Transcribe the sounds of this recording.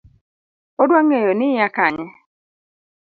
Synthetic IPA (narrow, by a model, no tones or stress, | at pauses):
odwaŋejonɪakaɲɛ